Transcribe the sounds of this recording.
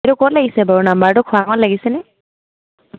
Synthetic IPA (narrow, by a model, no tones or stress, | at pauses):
ɾʊkɔtlaɡisɛbɔɹunambaɹtʊkʰʊwakɔnlaɡisɛnɛ